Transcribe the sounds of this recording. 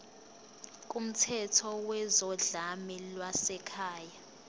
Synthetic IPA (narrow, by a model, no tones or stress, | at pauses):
k̬ʼum̩tʰɛtʰɔwɛzɔɮamɛlwasɛkʰaːja